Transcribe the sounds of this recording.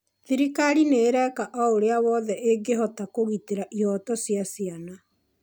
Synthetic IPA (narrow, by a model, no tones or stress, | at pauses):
ðiɾikaɾineɾɛkaʔɔoɾeawɔðɛʔeɡeɦɔtakoɣiteɾaʔiɔtɔsjasiana